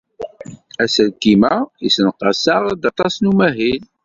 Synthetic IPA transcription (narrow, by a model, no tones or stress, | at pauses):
æsəlkimæisənqɑsɑʁd̪ɑt̪ˤɑsnumæɦil